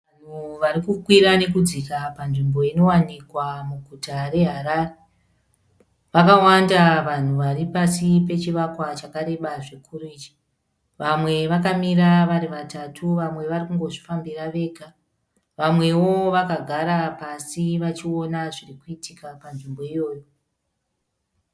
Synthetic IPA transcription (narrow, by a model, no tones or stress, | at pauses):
an̤uʋaɾikukwiɾane̞k̬ud͡zikapanʐimbo̞ino̞wanikwamuɡʱutare̞ɦaɾaːre | ʋakawandaʋan̤uʋaripasipe̞t͡ʃiʋakwat͡ʃakaɾe̞ɓaʐikʰuruiːd͡ʒi̥ | ʋamwe̞ʋakamiɾaʋaɾiʋatatʰuʋamwe̞ʋarikuŋɡo̞ʐifambiraʋe̞ːɡʱa | ʋamwe̞wo̞ʋakaɡʱaɾapasiʋat͡ʃio̞naʐirikuitʰikapanʐimbo̞ijo̞ːjo̞